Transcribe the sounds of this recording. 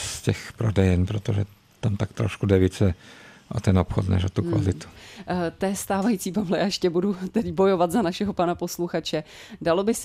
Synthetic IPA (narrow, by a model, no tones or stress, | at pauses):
scɛxpɾodɛjɛnpɾot̪oʒɛ | t̪amt̪akt̪ɾoʃkudɛvit͡sɛʔo̰t̪ɛnopxot̪nɛ̰ʃot̪ukvalɪt̪u̥t̪ɛːst̪aːvajit͡siːpavlɛjaːjʃcɛbudut̪ɛdɪbo̞jo̞vat̪zanaʃɛɦo̞panapo̞sluxat͡ʃɛ | dalo̞bɪs